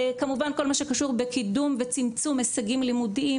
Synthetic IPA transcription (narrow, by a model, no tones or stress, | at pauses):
kamuvanko̞lmaʃekaʃuʁbekidumvet͡simt͡sumesaɡimlimudii